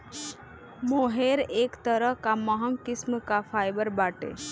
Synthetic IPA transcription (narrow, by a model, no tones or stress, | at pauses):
moɦeɾeːkt̪əɾəɦkaməɦəŋkɪsmkapʰaːjbəɾbaːʈḛ